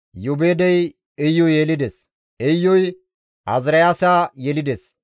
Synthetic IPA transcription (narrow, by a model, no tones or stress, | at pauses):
jʊbeːd̪ɛj | ɛjːɔjeːlɪd̪es | ɛjːɔj | ɐzɾɐjaːsaːjɛlɪd̪es